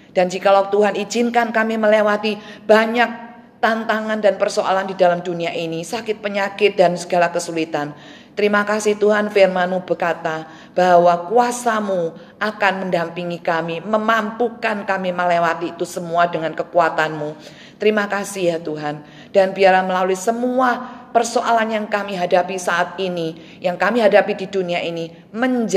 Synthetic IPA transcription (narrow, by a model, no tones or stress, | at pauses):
d̥and͡ʒikalawt̪uɦanid͡ʒɪnkankamiməlewat̪ib̥aɲak̚ | t̪ant̪aŋandanpərsoʔa̰landidalamduniaʔinisakɪt̪̚pəɲakɪt̪̚dansəɡalakəsulit̪an | t̪əɾimakasɪht̪uɦanfɪrmanubərkat̪a | b̥awakuasamu | ʔakanməndampiŋikamiməmampukankamiməlewat̪iːt̪usəmuadəŋankəkuat̪anmu | t̪əɾimakasihjat̪uɦan | d̥anbiaɾaməlaluisəmuapərsoʔalanjaŋkamiɦadapisaʔːt̪̚ini | jaŋkamiɦadapididuniaʔini | məɲd͡ʒ